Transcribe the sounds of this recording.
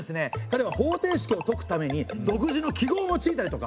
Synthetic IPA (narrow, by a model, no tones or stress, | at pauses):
esɨne̞kaɾe̞β̞aho̞ːt̪e̞ːɕi̥kʲio̞t̪o̞kɯ̟̥t̪ame̞ɲ̟id̪o̞kɯ̟ʑino̞kʲiɡo̞ːno̞t͡ɕiːt̪aɾit̪o̞ka